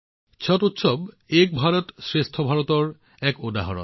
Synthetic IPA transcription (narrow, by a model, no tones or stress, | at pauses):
t͡ɕʰɔtut̪ʃob | ek̚bʱaɾot̪sɾest̪ʰobʱaɾot̪oɾ | ɛkod̪aɦaɾo̰